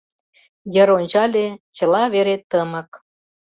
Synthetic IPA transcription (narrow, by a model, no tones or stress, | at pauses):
jə̆ɾonʲt͡ɕɑlʲet͡ɕɤ̆lˠɑβeɾet̪ə̆mɤ̆k